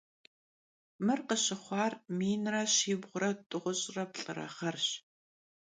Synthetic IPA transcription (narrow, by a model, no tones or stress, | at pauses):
mɨrqəɕɪχʷɑːrmiːnrɐɕiːbʁʷʊɾɐtʼʊʁʷʊɕʼrɐpɬʼɨɾɐ̰χɐrɕ